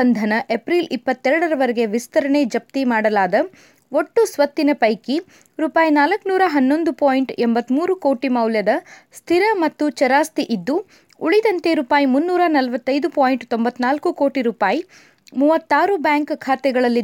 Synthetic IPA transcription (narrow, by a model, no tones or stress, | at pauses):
ɐnd̪ʱɐnɐʔepɾilipːɐt̪ːɛɾɐɽɐɾɐʋɐɾɛɡe̞ʋist̪ɐɾɐɳed͡ʒɐp̚t̪imaːɽɐlaːd̪ɐ | oʈːusʋɐt̪ːinɐpɐjki | ɾuːpaːjinaːlɐkːnuːɾɐɦɐnːo̞nd̪upoːjiɳʈembɐt̪ːmuːɾuko̞ːʈimɐwljɐd̪ɐst̪ʰiɾɐmɐt̪ːut͡ʃɐɾaːst̪iʔid̪ːu | uɭid̪ɐnt̪eɾuːpaːjimunːuːɾanɐlɐʋɐt̪ːɐjd̪upoːjiɳʈt̪ombɐt̪ːnaːlkuko̞ːʈiɾuːpaːji | muːʋɐt̪ːaːɾubjaːŋkkʰaːt̪ɛɡɐɭɐlːi